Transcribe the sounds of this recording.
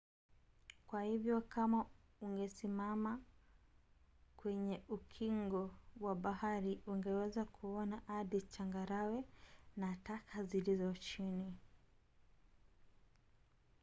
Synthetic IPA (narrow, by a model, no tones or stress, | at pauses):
kwahivjɔkama | uŋɡɛsimama | kwɛɲɛʔukʰiŋɡɔwaɓahaɾiuŋɡɛwɛzakʰuɔnaʔaɗit͡ʃaŋɡaɾawɛnatakʰazilizɔt͡ʃini